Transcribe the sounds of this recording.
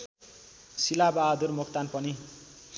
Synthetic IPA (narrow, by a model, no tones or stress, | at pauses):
silabaɦd̪urmokt̪anpʌni